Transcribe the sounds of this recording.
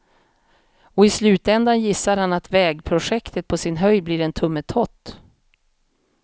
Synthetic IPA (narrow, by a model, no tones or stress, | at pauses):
ɔɪslʉ̟ːt̪ɛnd̪anjɪsːaɾhanat̪vɛːɡpʰɾʊʂɛkt̪ət̪̚pʰɔsɪnɦœjbliːɾɛnt̪ʰɵmːət̪ʰɔt̪ː